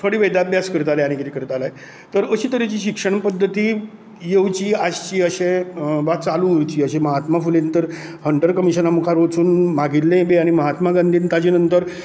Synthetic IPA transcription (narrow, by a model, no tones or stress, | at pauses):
t̪ʰoɽiːʋed̪abʱjaskəɾt̪alajaɽ̃ikit̪ikəɾt̪alaj | t̪əɾəɕiːt̪əɾet͡ɕiːɕikʂəɳpəd̪ʱːət̪iː | jeʋt͡ɕiːad͡ʑt͡ɕiːəɕeʋat͡saluuɾt͡ɕiːəɕeməɦat̪mafulent̪əɾ | həɳʈəɾkəmiɕənamukʰaɾot͡suːnmaɡillẽbeaɽ̃iməɦat̪maɡand̪ʱiːnt̪ad͡ʑiːnənt̪əɾ